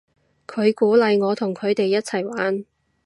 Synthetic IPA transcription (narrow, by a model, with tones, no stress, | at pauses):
kʰɵ˨˧ɥkuː˨˥lɐ˨jŋɔː˨˧t̪ʰʊ˨˩ŋkʰɵ˨˧ɥt̪e˨jːɐ˥t̚t͡sʰɐ˨˩jwaː˨˥n